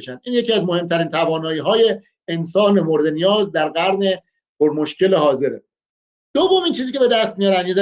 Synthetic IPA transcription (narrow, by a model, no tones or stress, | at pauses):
ʃænd̪ʔiːnjecʰiːæzmo̞he̞mt̪ʰæɾiːnt̪ʰævɒːnɒːiːɦɒːje̞ː | nsɒːne̞moɾd̪e̞nijɒːzd̪æɾɡæɾne̞ | pʰoɾmoʃkʰʲe̞lehɒːze̞ɾe | d̪̥ovːomiːnt͡ʃʰiːziːcʲʰee̞d̪æst̪̚mijɒɾænd̪jezæ